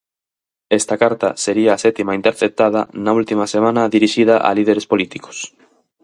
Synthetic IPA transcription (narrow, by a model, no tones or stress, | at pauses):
ɛst̪ɐkaɾt̪ɐseɾiɐːsɛt̪imaint̪eɾθep̚t̪að̞ɐ̰nɐult̪imɐsemãnɐðiɾiʃið̞ɐʔa̰lið̞eɾespolit̪iko̥s